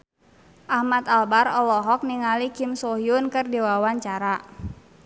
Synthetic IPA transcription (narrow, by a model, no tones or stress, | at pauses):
ʔahmat̪albaɾɔlɔɦɔk̚niŋalikimsoɦiunkɨrdiwawaɲt͡ʃaɾa